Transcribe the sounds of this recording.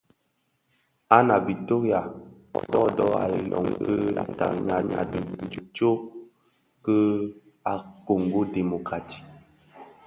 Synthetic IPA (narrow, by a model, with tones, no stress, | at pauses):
a˦na˨bi˨to˦ɣja˨ | kɔ˦dɔ˦a̰˨li˨lʔɔ˨ŋə˦a̰˨ta̰˨ŋɲa˨ɲa˨də˨n˦d͡ʒu˨t͡ʃo˦ | kə˦ | a˨ko˨ŋ˨ɡo˦de˨mo˨ka˨ti̥˦